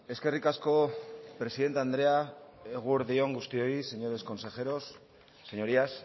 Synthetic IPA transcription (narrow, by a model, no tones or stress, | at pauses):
e̞ske̞rikasko̞pɾe̞siðe̞nt̪eand̪ɾe̞aeɣ̞uɾðio̞ŋɡust̪io̞ise̞ɲo̞ɾe̞sko̞nse̞xe̞ɾo̞sː | eɲo̞ɾias